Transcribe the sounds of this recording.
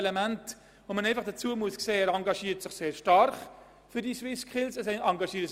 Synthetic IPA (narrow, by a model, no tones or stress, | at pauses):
lɛmænt | vomənæɪfɑχd̥ɐt͡suəmuəskseːæːɾɑŋɡɑʃiːtsɪχseːɾʃtɑrχ | fʏɾdiswɪskʰɪlsɛsɑŋɡɑʃiəɾ